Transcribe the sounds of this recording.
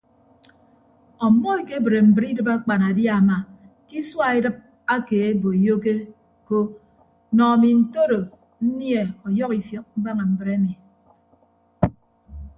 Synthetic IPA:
ɔ˨mːɔ˦e˨ke˦bɾe˨m̩˨bɾi˦dɨ˨pa˦k͡pa˨na˨dja˦˨ma˨ | ki˦swa˦e˦dɨ˦p̚ | a˦keː˨e˦bo˨i˨jo˦ke˦ | ko˦ | nɔ˨mi˨n̩˦˨to˦ɾo˨ | n̩˦nje˨ɔ˨jɔ˦ki˨fjɔ˨k̚m̩˦ba˦ŋa˨m̩˦bɨ˨ɾe˦mi˨

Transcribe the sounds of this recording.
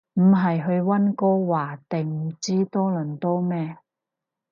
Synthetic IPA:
m̩˨˩ɦɐ˨jɦɵ˧ɥwɐ˥nkɔː˥waː˨˩t̪e˨˩ŋm̩˨˩t͡siː˥t̪ɔː˥lɵ˨˩nt̪ɔː˥mɛː˥

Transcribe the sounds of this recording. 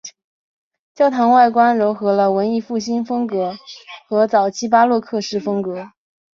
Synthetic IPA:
t͡ɕjɑ˥ʊt̪ʰɑ˧˥ŋwa˥˩ɪkwa˥nɻʊ˧˥xɤ˧˥lə˧wə˧˥ni˥˧fu˥˩ɕi˥nfɤ˥ŋkɤ˧˥xɤ˧˥t͡sɑ˨˩ʊt͡ɕʰi˥p̬a˥lwɔ˥˧kʰɤ˥˧ʂɻ̩˥˩fɤ˥ŋkɤ˧˥

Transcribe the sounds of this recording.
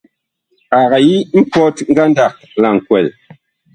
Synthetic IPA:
a˨ɣa˨ji˦m̩˦pɔ˦tŋ̩˦ɡa˦n˦da˨k̚la˨ŋ̩˨kwɛ˨l

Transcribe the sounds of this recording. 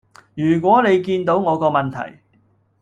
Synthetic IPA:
jyː˨˩k̬ʷɔː˨˥ne˨˧jkiː˧nt̪o˨˥wŋɔː˨˧kɔː˧mɐ˨nt̪ʰɐ̰˨˩j

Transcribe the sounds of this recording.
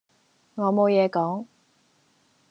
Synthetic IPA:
ŋɔː˨˧mo˨˧wjɛː˨˧kɔː˨˥ŋ

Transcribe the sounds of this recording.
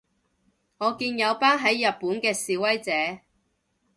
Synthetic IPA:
ŋɔː˨˧kiː˧njɐ˨˧wpaː˥nɦɐ˨˥jːɐ˨t̚puː˨˥nkɛː˧siː˨˧wɐ˥jt͡sɛː˨˥

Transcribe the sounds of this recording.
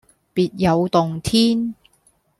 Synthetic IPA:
piː˨t̚jɐ˨˧wt̪ʊ˨ŋt̪ʰiː˥n

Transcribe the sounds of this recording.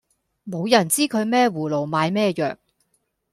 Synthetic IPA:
mo˨˧wjɐ˨˩nt͡siː˥kʰɵ˨˧ɥmɛː˥˩wuː˨˩lo˨˩wmaː˨˧jmɛː˥jœ̰ː˨k̚

